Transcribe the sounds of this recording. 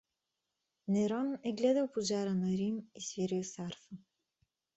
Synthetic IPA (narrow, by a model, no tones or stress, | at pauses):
nɛɾɔnɛɡlɛd̪əlˠpoʒaɾənɐɾimisviɾilsaɾfə